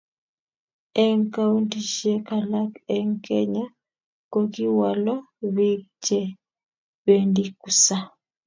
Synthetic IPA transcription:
ɛ˦ŋka˦u˦nti˨ʃiɛ˦ka˨la˦ke˦ŋkɛ˦ɲa˦ | ko˦ki˦wa˨lɔ˦ | βe˦t͡ʃɛ˦ | βe˦ndi˦ku˨sa˦

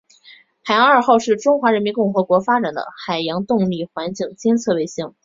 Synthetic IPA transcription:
xa˨˩ɪjɑ˧˥ŋə˞˥˨˩xo˥˧ʊʂɻ̩˥˩ʈ͡ʂʊ˥ŋxwa˧˥ɻə˧˥nmi˧˥nkʊ˥˩ŋxɤ˧˥kwɔ˧˥fa˥ʈ͡ʂa˨˩nd̪ə̰˦xa˨˩ɪjɑ˧˥ŋt̪ʊ˥˧ŋli˥˩xwa˧˥nt͡ɕi˥˩ŋt͡ɕjɛ˥nt͡sʰɤ˥˧we˥˧ɪɕi˥˩˦ŋ

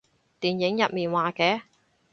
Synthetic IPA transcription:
t̪iː˨njɪ˨˥ŋjɐ˨t̚miː˨nwaː˨kɛː˨˧˥

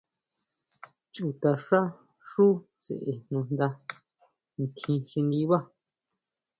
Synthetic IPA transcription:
t͡ʃu˨t̪a˧ʂa˦ | ʂu˦ | t͡sḛ˨ʔe˧nnũ˧nd̪a˧ | n˨k̪ʰĩ˧ʃĩ˧nd̪i˦βa˦

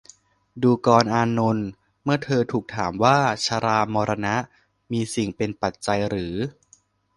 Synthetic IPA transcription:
duː˧kɔː˧nʔaː˧no˧n | mɯ˥˩ɐt̪ʰɤː˧t̪ʰuː˨˩k̚t̪ʰaː˩˦mwaː˥˩t͡ɕʰaː˧ɾaː˧mɔː˧ɾʔa˧na˦˥ʔ | miː˧si˨˩ŋpe˧npa˨˩t̪̚t͡ɕa˧jɾɯː˩˦

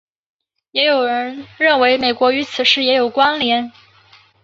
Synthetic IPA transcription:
jɛ˧˥jo˨˩ʊɻə˧˥nɻə˥˩nwe˧˥ɪme˨˩ɪkwɔ˧˥y˧˥t͡sʰɹ̩˨˩ʂɻ̩˥˩jɛ˧˥jo˨˩ʊkwa˥nljɛ˧˥n

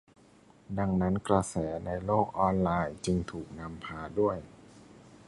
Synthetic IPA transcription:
da˧ŋna˦˥nkɾa˧sɛː˩˦na˧jloː˥˩k̚ʔɔː˧nlaː˧jt͡ɕɯ˧ŋt̪ʰuː˨˩k̚na˧mpʰaː˧du˥˩əj

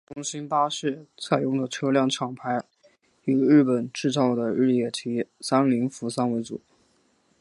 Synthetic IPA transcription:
tʊ˥ŋɕi˥npa˥ʂɻ̩˥˩t͡sʰa˨˩ɪjʊ˥˩ŋd̪ə˩ʈ͡ʂʰɤ˥ljɑ˥˩ŋʈ͡ʂʰɑ˨˩ŋpʰa˧˥ɪ | y˨˩ɻɻ̩˥˩pə˨˩nʈ͡ʂɻ̩˥˧t͡sɑ˥˩ʊd̪ə˩ɻɻ̩˥˩jɛ˥˩t̪ʰi˧˥sa˥nli˧˥ŋfu˧˥sa˥nwe˧˥ɪt͡sṵ˨˩˦

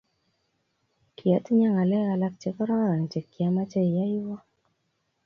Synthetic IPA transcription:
kʰi˨a˨˦ti˦ɲa˦ŋa˨lɛ˦ɣa˨la˦k̚t͡ʃɛ˦ka˦ɾɔ˦ɾa˨ŋ˨t͡ʃɛ˨kːi˨a˦ma˦t͡ʃa˦i˨ja˦i˦wɔ˦

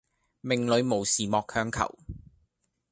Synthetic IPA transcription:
mɪ˨˩ŋlɵ˨˧ɥmo˨˩wsiː˨˩mɔː˨˧khœː˧ŋkʰɐ̰˨˩w

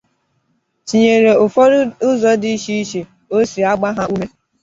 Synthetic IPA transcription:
t͡ʃi˨ɲe˨ɾe˨ʊ˨fɔ˦ɾʊ˦zɔ˨di˦ʃi˦i˦ʃi˨ | o˦si˨a˦ɡ͡ba˦ɦa˦u˦me˦

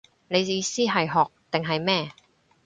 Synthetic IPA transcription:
ne˨˧jjiː˨˧siː˥ɦɐ˨jɦɔː˨k̚t̪ɪ˨ŋɦɐ˨jmɛː˥˩

